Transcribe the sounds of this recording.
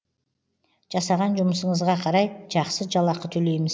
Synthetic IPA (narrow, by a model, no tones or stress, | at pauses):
ʒ̥ɑsɑʁɑnʒʊməsəɴəzʁɑqʰɑɾɑjʒɑqsəʒɑlˠɑqət̪ʰɵle̞jmɪz